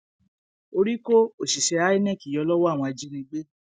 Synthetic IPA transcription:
o˧ɾi˦ko˦o˨ʃi˨ʃɛ˧˦a˨˦i˦nɛ̃˦˨ki˨jɔ˧˦lɔ˦wɔ˦a˦˨w̃ɔ̃˧a˧d͡ʒi˦ɾĩ˧ɡ͡be˦

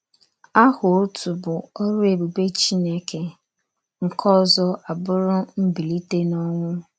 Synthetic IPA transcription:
a˦hʊ˨o˦tu˨bʊ˨ɔ˦ɾʊ˦e˨bu˨ɡ͡be˦t͡ʃi˦ne˦ke˨ | ŋ̩˨kʰɔ˦zɔ˦a˨bʊ˦ɾʊ˦m̩˦bi˨li˦te˦nɔ˦ŋʷʊ˦

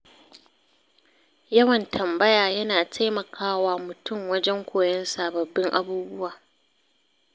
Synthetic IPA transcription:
jɐ˦wɐ˨ntʰɐ˨mbɐ˦jaː˨jɐ˦naː˨tʰa˦jmɐ˨kʰaː˦waː˦mʊ˨tʊ˦˨mwɐ˦d͡ʒɛ˦ŋkʷʰoː˨jɐ˦nsaː˨bɐ˨bːɪ˦ŋʔa̰˦buː˦bʊ˦waː˨

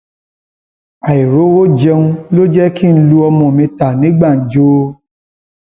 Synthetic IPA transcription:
a˨i˨ɾo˨˦wo˦d͡ʒɛ˧ũ˧lo˦d͡ʒɛ˦kĩ˦lu˧ɔ˧mɔ̃˨mĩ˧ta˨nĩ˨˦ɡ͡ba˦˨n̩˨d͡ʒo˧˦

